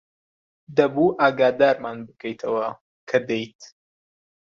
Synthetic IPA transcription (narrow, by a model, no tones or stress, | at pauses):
d̪ɐbuːʔaːɡaːd̪aːɾmaːnbɨkʰɐjt̪ʰɐwɐ | kʰɐd̪ejt̪